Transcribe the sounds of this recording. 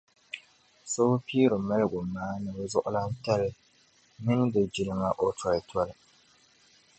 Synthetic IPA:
so˦piː˦ɾʊ˨mɛ˦lɪ˦ɡʊ˨maː˦nɨ˨bzʊ˦ʔʊ˦la˦n̩˦tɛ˦lɪ˦ | mɪ˦n˦dɨ˨d͡ʒi˨lɨ˦ma˨ʔɔ˦tɾa˨tʰɔ˦lɪ˨

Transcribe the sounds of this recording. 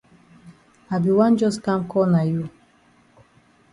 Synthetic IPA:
a˨bi˨wã˦nd͡ʒɔ˦skã˦mkʰɔ˦na˨ju˦˨

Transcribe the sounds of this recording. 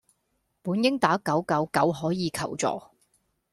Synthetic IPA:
puː˨˥njɪ˥ŋt̪aː˨˥kɐ˨˥wkɐ˨˥wkɐ˨˥wɦɔː˨˥jiː˨˧kʰɐ˨˩wt͡sɔ̰ː˨˩

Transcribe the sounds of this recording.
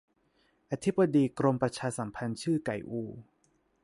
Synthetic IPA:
ʔa˧t̪ʰi˦˥bːa˧diː˧kɾo˧mpɾa˧t͡ɕʰaː˧sa˩˦mpʰa˧nt͡ɕʰɯː˥˩ka˨˩jʔuː˧

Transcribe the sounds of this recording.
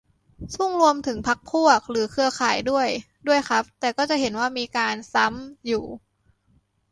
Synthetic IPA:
su˥˩ŋɾu˧əmt̪ʰɯ˩˦ŋpʰa˦˥k̚pʰu˥˩ək̚ɾɯː˩˦kʰɯ˧ɐkʰaː˩˦jdu˥˩əj | du˥˩əjxʰa˦˥p̚t̪ɛː˨˩kɔː˥˩t͡ɕa˨˩ɦe˩˦nwaː˥˩miː˧kaː˧nsa˦˥mjuː˨˩

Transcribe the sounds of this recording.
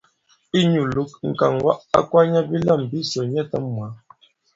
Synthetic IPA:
i˦ɲu˨lu˨˦k̚ŋ̩˨ka̰˨ŋwa̰˦ʔa̰˦kwa˦ɲa˦bi˦lə˦˨m˨bi˦sə˨ɲɛ˦˨tə˦mːwa˨˦

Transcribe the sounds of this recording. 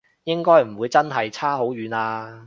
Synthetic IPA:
jɪ˥ŋkɔː˥jm̩˨˩wuː˨˧jt͡sɐ˥nɦɐ˨jt͡sʰaː˥ɦo˨˥wjyː˨˧naː˧

